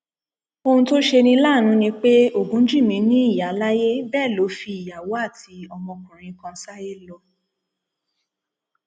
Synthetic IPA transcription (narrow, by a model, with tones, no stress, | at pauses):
o˧ũ˧to˦ʃe˧nĩ˧la˦˨ñũ˧nĩ˧k͡pe˦o˦˨ɡũ˨˦d͡ʒĩ˦˨mĩ˧nĩ˦i˦˨ja˨˦la˦je˦bɛː˦˨lo˨˦fi˧i˨ja˨wo˨˦a˦˨tʰi˧ɔ˧mɔ̃˧kũ˨ɾ̃ĩ˨˧kã˧sa˦je˦lɔ˧